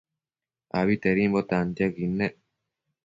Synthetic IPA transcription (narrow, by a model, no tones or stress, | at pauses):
aβit̪eɾimbot̪ant̪akinːe